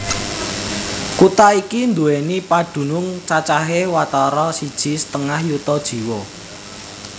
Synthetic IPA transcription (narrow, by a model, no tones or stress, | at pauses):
kut̪aikind̪uenipad̥ṳnʊŋt͡ʃat͡ʃaɦewat̪ɔɾɔsid̥ʒ̥i̤sət̪əŋahjut̪ɔd̥ʒ̥i̤wɔ